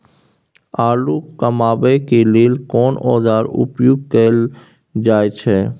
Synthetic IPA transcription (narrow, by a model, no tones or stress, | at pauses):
aːluːkəmaːbekeleːlkɔːnɔːzaːɾʊ̰pjoːɡ̚kəl | d͡ʒaːjt͡ʃʰɛː